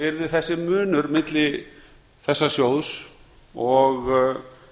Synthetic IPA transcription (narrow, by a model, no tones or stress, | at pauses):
ɪɾðɪθɛsːɪmʏːnʏɾmɪt̪lɪ | θɛsːasjowðs | ɔɣ